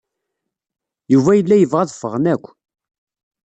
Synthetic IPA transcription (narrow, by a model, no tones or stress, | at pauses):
juvæjəlːæjəvʁæðfəʁnækʷː